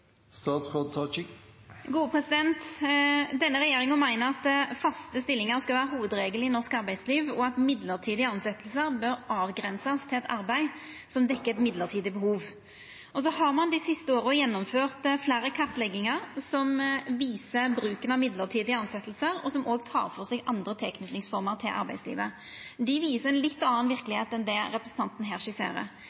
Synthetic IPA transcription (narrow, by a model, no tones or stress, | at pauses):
st̪ɑːt̪sʁoːd̪̚ʰɑt͡ʃɪɡuːəpʰɾɛsɪd̪ɛnt̪ | d̪ɛnːəɾɛjeːɾɪŋənmæɪnəɾɑt̪fɑst̪əst̪ɪlːɪŋəɾskɑlʋæːɾəɦuːʋəd̪ɾeːɡəlɪnɔʁskɑɾbæɪd̪sliːʋɔɑt̪mɪd̪ləʁt̪ʰiːd̪ɪəɑnsɛt̪lsəɾbœɾɑːʋɡɾɛnsɑst̪ʰɪlɛt̪ɑɾbæɪ | sɔmd̪ɛkːəɛt̪mɪd̪ləʁt̪ʰiːd̪ɪəbəhuːʋ | ɔs̬ɔhɑʁmɑnd̪ɪsɪst̪əoːɾəjɛnːɔmføːʁt̪flæːɾəkʰɑʁt̪lɛɡɪŋəɾsɔmʋiːsəbɾʉːkənɑʋmɪd̪ləʁt̪ʰiːd̪ɪəɑnsɛt̪l̩səɾɔsɔmʔoːɡt̪ʰɑ̰ːʁfɔʁsɛːɡʔɑnd̪ʁət̪ʰɛlkʰnʉt̪nɪŋsfɔɾməʁt̪ʰɪlʔɑ̰ɾbæɪd̪slḭːʋə | d̪ɪʋiːsəʁɛnlɪt̪ːɑnɑnʋɪɾkəlɪheːt̪ɛnd̪ɛʁɛpɾəsən̩t̪ɑnt̪n̩ɦæːʁʂɪsḛːɾə̰